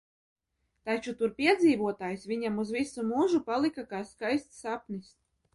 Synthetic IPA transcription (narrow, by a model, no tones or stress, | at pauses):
t̪at͡ʃut̪uɾpʲiɛd̪ziːvuɔt̪aːjsvʲiɲamuzvisumuʒupalˠikakaːskajst̪sapnist̪̚ʲ